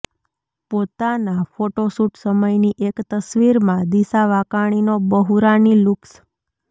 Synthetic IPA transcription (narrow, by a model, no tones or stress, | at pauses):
pot̪anafoʈosuʈsəməjniʔekt̪əsʋiɾmãd̪isaʋakaɽ̃inobəɦuɾaniluks